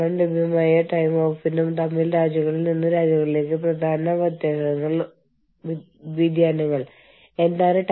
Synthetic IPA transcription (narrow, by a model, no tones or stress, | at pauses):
ɐmlubʱjɐmaːjɐʈɐjmo̞ːfinumt̪ɐmːilɾaːd͡ʑuɣɐɭilninːuɾaːd͡ʑjuɣɐɭile̞ːk̬ːɨprɐd̪ʱaːnɐʋɐd̪jɐɽɐnɐŋːɐɭ | ʋid̪ʱjaːnɐŋːɐɭ | e̞nd̪aːnɨʈ